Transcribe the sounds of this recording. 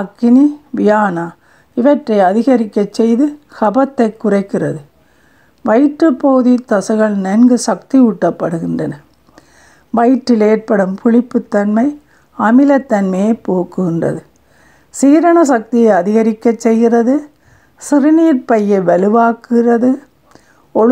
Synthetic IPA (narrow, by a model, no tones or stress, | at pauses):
ɐkːɪniʋɪjaːnaː | ɪʋɐʈrɐɪɐðɪɣɐɾɪkːɐt͡ʃːɛjðɯkɐbɐt̪ːɐɪkːʊrɐɪkːɪrɐðɯ | ʋɐɪʈrɯpːoːðit̪ːɐsɐɣɐɭnɐnɡɯsɐkt̪iʊʈːɐpːɐɽɯɣɪndrɐnɐ | ʋɐjʈːɪleːrpɐɽɯmpʊɭɪpːɯt̪ːɐnmɐɪ | ɐmɪlɐt̪ːɐnmɐjepoːkːɯɣɪndrɐ̰ðɯ | siːɾɐɳɐsɐk̚t̪ɪjɐɪɐðɪɣɐɾɪkːɐt͡ʃsɛjɣɪrɐðɯ | sɪɾɪniːɾpɐjːɐɪʋɛɭɯʋaːkrɐðɯ | ɔ